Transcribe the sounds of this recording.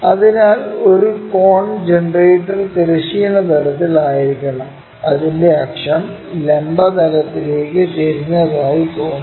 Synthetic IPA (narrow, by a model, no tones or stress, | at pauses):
ɐðinaːlo̞ɾukoːɳd͡ʑeɳreːʈːɐrt̪eɾɐɕijɐnːɐt̪ɐlɐt̪ːilaːjiɾikʲːɐɳɐm | ɐðinde̞akʂɐn | lembɐt̪ɐlɐt̪ːile̞ːkːɨt̪eɾinːɐðaːjikoːɳ